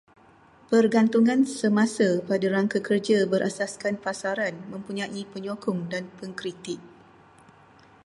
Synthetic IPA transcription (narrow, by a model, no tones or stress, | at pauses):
pərɡant̪uŋãnsəmãsapadaɾaŋkakərd͡ʒabəɾʔa̰saskanpasaɾanmə̃mpuɲãʔipəɲokɔŋdanpəŋkɾit̪ɪk̚